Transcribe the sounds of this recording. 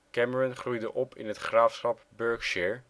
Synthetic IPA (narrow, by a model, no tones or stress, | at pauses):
kɛməɹɔnχrujdəʔɔpʰɪ̰nɦətχraːfsχɑpbøɹkʃɛːɹ